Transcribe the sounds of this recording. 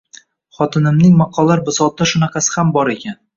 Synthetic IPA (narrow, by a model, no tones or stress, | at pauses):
χɒt̪ʰɪnɪmnɪŋmɑqʰɒlːaɾbɪsɒt̪̚ːaʃʊnɑqʰɑsɪ̥hambɒɾe̞kʲʰan